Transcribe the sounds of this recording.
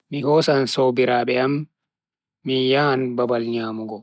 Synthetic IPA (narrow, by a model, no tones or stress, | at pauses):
mihɔsansoːbiɾaːɓɛamː | ijaːnbabalɲaːmuɡɔ